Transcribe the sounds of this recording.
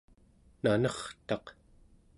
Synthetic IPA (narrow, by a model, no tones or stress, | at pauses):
nanʌχt̪ɑq